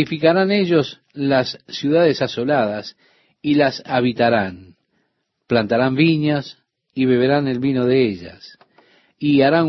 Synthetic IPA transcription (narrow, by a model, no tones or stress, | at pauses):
ifikaɾaneʒo̞s | lasːjuðaðe̞saso̞lað̞as | ilasaβit̪aɾan | plant̪aɾambiɲas | iβe̞βe̞ɾane̞lβino̞ðeeʒa̰s | iaɾan